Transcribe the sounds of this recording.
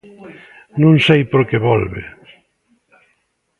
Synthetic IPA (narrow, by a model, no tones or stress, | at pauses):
nũŋsejpoɾkeβɔlβḛ